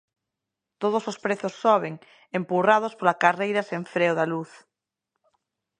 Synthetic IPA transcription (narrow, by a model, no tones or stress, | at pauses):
t̪oð̞osospɾeθosːɔβ̞eŋ | empurað̞ospolakarejɾasẽɱfɾeoðaluθ